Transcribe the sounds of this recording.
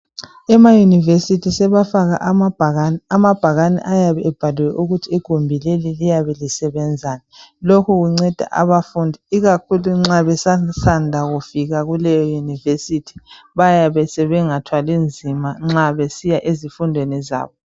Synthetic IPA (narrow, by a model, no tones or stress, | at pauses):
ɛmajunivesitʰisɛβafaɣa̰ʔnamab̥ʱaɣanɛ̰ʔajaβɛʔɛb̥ʱaluwɛʔuɣutʰiːɡ̥ʱombʱilelilijaβɛlisɛβɛnd͡zʱaːnalokʰuɣuŋ͡ǀɛd̥ʱa̰ʔa̰βafundʱiiɣakʰuluŋ͡ǁaβɛsasandʱaɣufiɣaɣulɛjɔjunivesitʰi̥ | βajaβɛsɛβɛŋatʰwalind͡zʱimaŋ͡ǁaβesijaʔezifundʱweniza̰ːβɔ